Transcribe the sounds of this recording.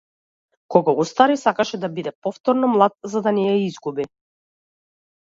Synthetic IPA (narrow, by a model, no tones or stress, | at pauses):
kɔɡaust̪aɾisakaʃɛd̪abid̪ɛpɔft̪ɔɾnɔmlˠat̪̚zad̪anɛjaizɡubi